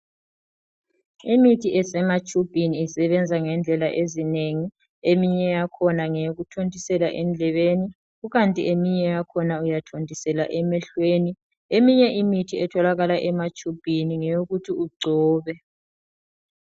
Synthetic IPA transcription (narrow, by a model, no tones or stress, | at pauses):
imitʰiʔɛsɛmat͡ʃʼub̥ʱiniːsɛβɛnd͡zʱaŋɛnd͡ɮʱɛlaʔezineŋi | emiɲɛjakʰɔnaŋejoɣutʰondʱisɛla̰ʔɛnd͡ɮʱɛβeni | ɣuɣantʼḭʔemiɲɛjakʰɔnaujatʰondʱisɛla̰ʔɛmɛɬweni | emiɲɛʔimitʰiɛtʰɔlaɣalaʔɛmat͡ʃʼub̥ʱiniŋɛjoɣutʰiuɡ͡ǀʱɔːβɛ